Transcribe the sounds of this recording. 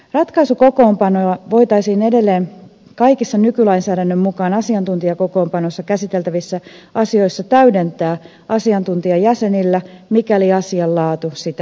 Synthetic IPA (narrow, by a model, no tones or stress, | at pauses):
rɑt̪kɑisuko̞ko̞ːmpɑnoɑʋo̞jt̪ɑisiːne̞de̞lːeːn | kɑikisːɑnykylɑinsæːdænːømmukɑːnɑsiɑnt̪unt̪iɑko̞ko̞ːmpɑnosːɑkæsit̪e̞lt̪æʋisːæɑsio̞isːɑt̪æyde̞nt̪æː | ɑsiɑnt̪unt̪iɑjæse̞nilːæmikæliɑsiɑlːɑːt̪usit̪æ